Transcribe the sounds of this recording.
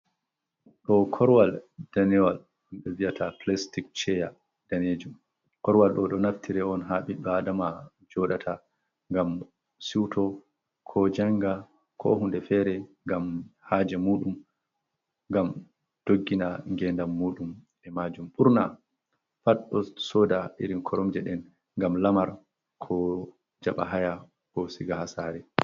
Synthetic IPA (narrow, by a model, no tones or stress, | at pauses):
ɗɔkʰɔɾwald̥anɛwal | ɓɛvijatʰaplastik̚t͡ʃɛja | d̥aned͡ʒum | kɔɾwalɗɔɗɔnaftʰiɾɛɔnɦaɓiɗɔadama | d͡ʒɔɗatʰa | ŋɡam | siwtʰɔ | kʰɔd͡ʒaŋɡa | kʰɔ̰hundɛfɛɾɛŋɡamhaːd͡ʒɛmuːɗum | ŋɡam | d̥oɡːinaŋɡɛndamːuːɗum | ɛmad͡ʒumɓuɾna | faɗɔsɔdaʔiɾimkʰɔɾɔmd͡ʒɛɗɛn | ŋɡamlamaɾ | kʰɔ | d͡ʒaɓa̰ɦaja | kɔsiɡahasaɾɛ